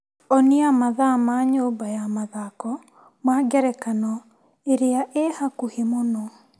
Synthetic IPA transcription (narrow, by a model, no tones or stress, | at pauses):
ɔneamaðamaɲoːmbajamaðakɔ | maːɡɛɾɛkanɔ | eɾeaʔehakuhemonɔ